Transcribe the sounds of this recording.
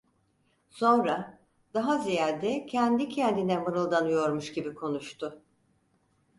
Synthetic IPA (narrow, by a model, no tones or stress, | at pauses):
so̞nɾa | d̪̥aɦazijaɾd̪ɛcʰɛnd̪icʰɛnd̪inɛmɯɾɯlˠd̪anɯjo̞ɾmuʃɟibikʰo̞nuʃt̪ʰʊ